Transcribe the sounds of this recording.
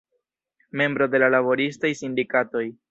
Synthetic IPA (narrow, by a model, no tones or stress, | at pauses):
me̞mbɾo̞de̞lalaβo̞ɾistajsindikato̞j